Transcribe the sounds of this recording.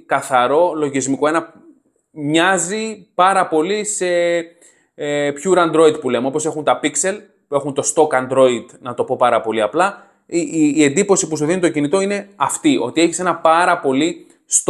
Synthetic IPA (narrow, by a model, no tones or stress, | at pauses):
kɐθɐɾo̞lo̞ʝizmiko̞e̞nɐ | mɲɐzipɐɾɐpo̞lise̞ | pçuɾɐnd̪ɾo̞id̪̚pule̞meo̞po̞se̞xunt̪ɐpikse̞l | pue̞xunt̪o̞st̪o̞kɐnd̪ɾo̞id̪nɐt̪o̞po̞pɐɾɐpo̞liɐplɐː | e̞nd̪ipo̞sipus̬uðinit̪o̞cinit̪o̞ine̞ɐft̪iʔo̞̰t̪ie̞çi̥se̞nɐpɐɾɐpo̞li | st̪